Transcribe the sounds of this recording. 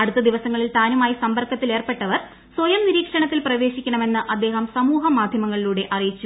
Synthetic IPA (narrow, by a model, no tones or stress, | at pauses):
ɐɽut̪ːɐd̪iʋɐsɐŋːɐɭilt̪aːnumaːjisɐmbɐrkʰːɐt̪ːile̞ːrpe̞ʈːɐʋɐr | swojɐmniɾiːkʂɐɳɐt̪ːilprɐʋe̞ːɕikʲːɐɳɐme̞nːɨʔɐd̪ːe̞ːɦɐmsɐmuːɦɐmaːd̪ʱjɐmɐŋːɐɭiluːɽe̞ʔɐrijit͡ɕːu